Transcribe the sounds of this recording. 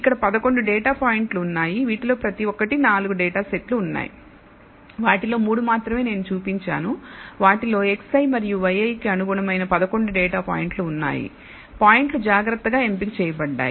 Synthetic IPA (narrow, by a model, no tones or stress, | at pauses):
ikːɐɽɐpɐd̪ɐko̞ɳɖuɖɛːʈaːpaːjiɳʈluːnːaːjiʋiːʈilo̞ːpɾɐt̪iʋɔkːɐʈinaːluɡuɖɛːʈaːseʈluːnːa̰ːjḭ | ʋaːʈilo̞ːmuːɽumaːt̪ɾɐme̞ːne̞ːnut͡ʃuːpiɲt͡ʃa̰ːnuʋaːʈilo̞ːe̞ksɐjmɐɾijuʋɐjɐjkiɐnuɡuːɳɐmɐjnɐpɐd̪ɐko̞ɳɖuɖɛːʈaːpa̰ːjiɳʈluːnːa̰ːjḭ | paːjiɳʈlud͡ʒaːɡɾɐt̪ːɐɡaːe̞mpikt͡ʃɛːjɐbɐɖːa̰ːji